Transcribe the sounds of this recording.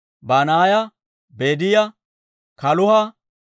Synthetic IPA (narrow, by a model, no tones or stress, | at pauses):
baːnaːjɐ | beːd̪ɪjɐ | kɐlʊhɐ